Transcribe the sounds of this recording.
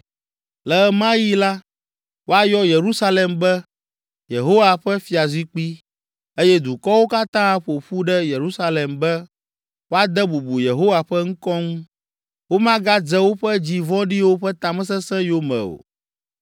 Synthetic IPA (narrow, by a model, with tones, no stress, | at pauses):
lɛ˨˦mã˦ji˦la˦ | wo˦a˦jɔ˦je˨ɾu˦sa˦lɛ˨mbɛ˦ | je˨ɦo˦wa˨ɸɛ˦fi˨a˨zwi˦k͡pi˦ | e˦jɛ˦d̪u˨kɔ˦wo˦ka˦t̪ã˦a˦ɸo˨ɸu˦ɖɛ˦je˨ɾu˦sa˦lɛ˨mbɛ˦ | wo˦a˦d̪ɛ˦bu˨bu˨je˨ɦo˦wa˨ɸɛ˦ŋ̩̃˦kɔ˦ŋũ˦ | wo˦mã˦ɡa˦d͡zɛ˦wo˦ɸɛ˦d͡ʑi˦vɔ̃˦ɖi˦wo˦ɸɛ˦t̪ã˨mɛ̃˦s̬ɛ˦sɛ̃˦jo˦mɛ̰̃˨o̰˨